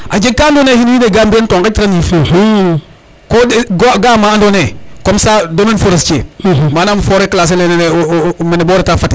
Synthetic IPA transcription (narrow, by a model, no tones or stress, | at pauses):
ad͡ʒeɡ̚kːandoneːhinjineɡambientoŋkatiɾanifu | koɡoɡaːmaandonekomsadomenfoɾest͡ʃiḛmanaːmfoɾeklas̬elenenemeneboːɾetafati